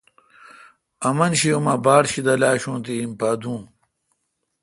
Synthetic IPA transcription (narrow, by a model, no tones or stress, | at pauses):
ɐmɐnɕiumɐbaːɽɕid̪ɐlaːɕũːnt̪iimpaːd̪ũː